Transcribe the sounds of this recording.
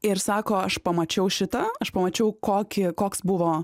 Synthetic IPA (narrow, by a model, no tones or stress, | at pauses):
ɪɾsɑːkoːɐʃpɐmɐt͡ʃʲɛʊʃʲɪt̪ɐɐʃpɐmɐt͡ʃʲɛʊkoːkʲɪkoːksbʊʋoː